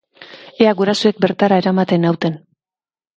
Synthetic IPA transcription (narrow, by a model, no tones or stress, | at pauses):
eaɣuɾasue̞k̚be̞ɾt̪aɾae̞ɾamat̪e̞nawt̪e̞n